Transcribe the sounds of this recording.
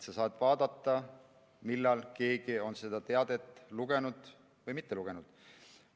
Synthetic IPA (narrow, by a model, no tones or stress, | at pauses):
sɑsɑːd̪̥vɑːd̪̥ɑt̪ˑːɑ | milːɑlke̞ːɡ̥io̞nse̞d̪̥ɑt̪e̞ɑd̪̥e̞t̪ːˑluɡ̥e̞nud̪̥ | vɤjmit̪ːeluɡ̥e̞nud̪̥